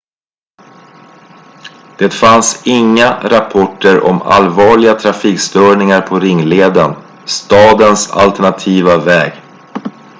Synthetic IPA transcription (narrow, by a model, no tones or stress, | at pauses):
d̪̥ɛt̪fansɪŋːaɾapʰɔʈːəɾʔɔ̰ma̰lvɑːɭɪɡat̪ʰɾafiːkst̪œːɳɪŋaɾpʰɔɾɪŋːleːd̪ən | st̪ɑːd̪ənsa̰lt̪ɛɳat̪ʰiːvavɛːɡ